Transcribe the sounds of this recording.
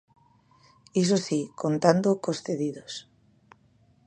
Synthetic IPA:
is̬osikont̪and̪okosθeðiðos

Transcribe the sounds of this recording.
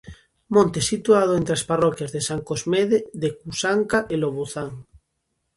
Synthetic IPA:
mõnt̪esit̪uað̞oẽnt̪ɾeasparɔkjazðesaŋkozmeðeðekusaŋkaʔeloβuθaŋ

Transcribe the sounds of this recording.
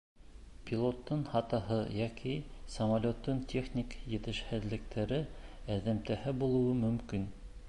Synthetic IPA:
pʲilˠot̪ːɤnhɑt̪ɑɦɤjækisɐmalʲot̪ːont̪ʲʰeχnʲikjɘ̆t̪ɘ̆ʃhɘ̆ðlɘ̆kt̪ʰæɾɘæðæmt̪æhɘbulˠɤ̆wɤmɵ̆mkin

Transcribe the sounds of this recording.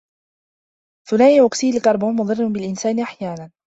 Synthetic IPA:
θʊnaːʔiʔʊqsiːlɪlkɑɾˤboːnmʊd̪ˤɨrːʊnbɪlʔɪnsaːnɪʔaħjaːnan

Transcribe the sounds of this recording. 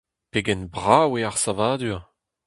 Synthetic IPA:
peɡɛnbʁaweaʁsavaːd̪yʁ

